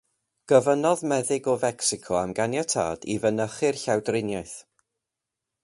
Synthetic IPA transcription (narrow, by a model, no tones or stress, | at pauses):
ɡ̥əvənɔðmɛðɪɡɔvɛksɪkʰɔamɡanjatʰa̰ːd̥ivənəχɨrɬawdrɪnjaɨθ